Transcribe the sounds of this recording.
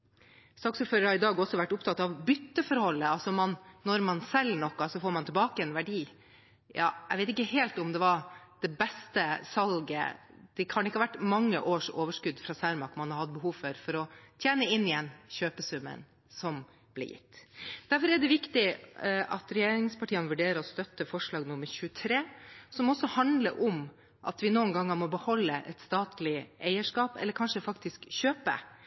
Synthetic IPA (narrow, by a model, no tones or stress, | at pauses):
sɑːksʉːt̪føːɾəɾhɑɾɪd̪ɑːɡɔsːɔʋæʈːʊpt̪ʰɑt̪ːɑʋbʏt̪ːəfɔɾhɔlːəɑlsɔmɑnːɔɾmɑnsɛlnɔkːɑsɔfoːɾmɑnt̪ɪlbɑːkəɛnʋæɖiː | jɑ̰ːæɪʋeɪt̪ɪkːəɦeːlt̪ɔmd̪ɛʋɑɾd̪̥ɛbɛst̪əsɑlɡə̰d̪̥ɛkʰɑnɪkːəhɑʋæʈːmɑŋːə̰ʔoːʂoːʋəʂkʉd̪fɾɑːsæɾmɑkmɑnhɑɾhɑd̪̚bəɦuːʋfœɾfɔɾɔt̪ʰjeːnəɪnːɪjɛnɕøːpəsʉmːə̰n | sɔm | b̥lɪ̰jɪ̰t̪ːd̪̥æɾfɔɾɛɖ̪ɛʋɪkt̪ɪʔɑ̰t̪ɾɛjeːɾɪŋspʰɑʈʰiːənʋʉɖeːɾəɔst̪œt̪ːəfɔʂɭɑːɡnʊmːəɾɕʉət̪ʰɾeːsɔmɔsːɔhɑnd̪lə̰ɾʔɔm | ʔɑ̰t̪ʋɪnuːənɡɑŋːəmɔbəhɔlːəʔɛ̰t̪st̪ɑːt̪lɪʔæɪəʂkɑːpɛ̰lːəɾkʰɑnʂəfɑkt̪ɪskɕøːpə̰